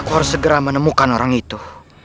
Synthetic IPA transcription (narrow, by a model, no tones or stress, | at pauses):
kuaɾusːəɡəɾamənəmukanoɾaŋit̪u